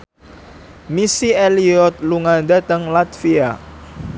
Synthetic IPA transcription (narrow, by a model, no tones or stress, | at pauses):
misieliɔt̪̚luŋand̪at̪əŋlat̪fia